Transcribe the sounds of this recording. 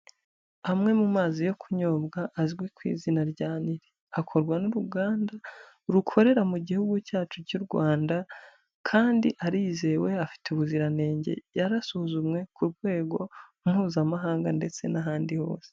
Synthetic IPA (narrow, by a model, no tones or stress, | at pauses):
amŋe̞mumaːzijo̞kʰuɲo̞ːbɡaʔːzɡwe̞kwḭːzinaɾɟaːniɾe | akʰo̞ɾɡwanuɾuɡaːnda | ɾukʰo̞ɾe̞ɾamuɟihuɡucaːt͡ʃuɟuɾɡwaːnda | kʰaːndiʔaɾiːze̞we̞afi̥tuβuziɾane̞ːɲɟe̞̰jaɾasuhzumŋe̞kuɾɡwe̞ːɡo̞ | mŋ̥huːzamaɦaːŋɡande̞t͡se̞naɦaːndiho̞̰ːse̥